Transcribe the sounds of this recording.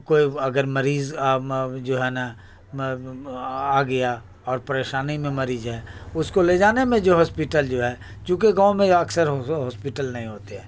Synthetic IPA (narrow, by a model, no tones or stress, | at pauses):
koːiɐɡəɾmɐɾiːz | d͡ʒoːɦɛna | aːɡɐja | ɔːɾpɐɾeːʃaːnimẽmɐɾiːzɦɛːʊskoled͡ʒaːnemẽd͡ʒoːɦɔːspɪʈəld͡ʒoːɦɛː | t͡ʃũːk̬eɡãːmẽɐksəɾɦɦɔːspiʈəlnɐɦĩɦoːt̪eɦɛː